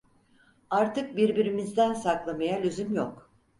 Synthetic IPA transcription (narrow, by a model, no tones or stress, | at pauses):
aɾt̪ʰɯk̚biɾbiɾimizd̪ænsaklˠamajalʲyzymjok